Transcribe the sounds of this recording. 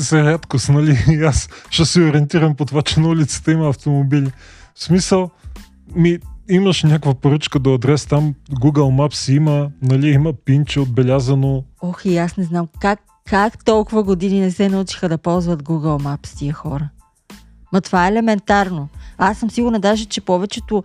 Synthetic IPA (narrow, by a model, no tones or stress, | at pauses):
sɐɾʲat̪kosnɐlʲiasʃɛsioɾʲiɛnt̪iɾəmpot̪ovat͡ʃɛnɐulʲit̪sə̥t̪əimɐːft̪omobilʲi | fsmisəlˠ | miiməʃnʲakvɐpoɾɤt͡ʃkəd̪oɐd̪ɾɛst̪amɡuɡəlˠmapsiimənɐliiməpint͡ʃɛod̪̚bɛlʲazənoɔxiasnɛznamkakʰː | akt̪ɔlˠkʊvəɡod̪ininɛsɛnɐut͡ʃi̥xəd̪ɐpɔlˠzvɐt̪ɡuɡəlˠmapst̪ijəxɔɾə | mɐt̪ovaɛːlɛmɛnt̪aɾnoasːəmsiɡʊɾnɐd̪aʒɛt͡ʃɛpɔvɛt͡ʃɛt̪ʊ